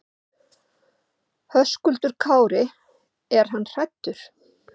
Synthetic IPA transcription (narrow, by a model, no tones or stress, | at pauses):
hœskʏlt̪ʏɾ̥kʰaːwɾɪ | ɛɾ̥ɦanːr̥ajt̪ːʏɾ̥